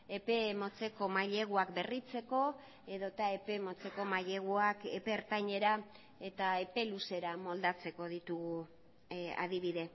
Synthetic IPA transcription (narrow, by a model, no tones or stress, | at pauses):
e̞pe̞mo̞t͡se̞ko̞maʎe̞ɣ̞uakbe̞rit͡se̞ko̞ | e̞ðo̞t̪ae̞pe̞mo̞t͡se̞ko̞maʎe̞ɣ̞uakepe̞ːɾt̪ajɲe̞ɾa | e̞t̪ae̞pe̞luse̞ɾamo̞ld̪at͡se̞ko̞ðit̪uɣu | a̰ðiβ̞iðe̞